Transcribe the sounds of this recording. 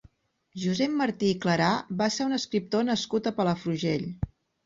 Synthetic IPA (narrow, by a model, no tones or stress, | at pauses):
ʒuzɛmməɾt̪iːkləɾabaseɾunəskɾip̚t̪onəskut̪əpələfɾuʒeʎ